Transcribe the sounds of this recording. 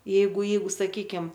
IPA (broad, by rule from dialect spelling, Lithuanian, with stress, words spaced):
ˈjɛɪɡʊ ˈjɛɪɡʊ sɐˈkʲiːkʲɪm